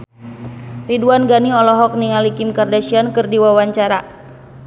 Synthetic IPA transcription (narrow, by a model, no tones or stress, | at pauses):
riduanɡaniɔlɔɦɔk̚niŋalikimkardaʃiankɨrdiwawaɲt͡ʃaɾa